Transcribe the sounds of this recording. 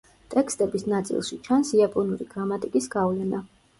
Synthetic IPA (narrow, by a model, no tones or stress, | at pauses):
t̪ʼɛkst̪ʼɛbisnat̪sʼḭlˠʃit͡ʃʰansiapʼɔnuɾḭɡ̥ɾamat̪ʼikʼisɡ̥avlɛna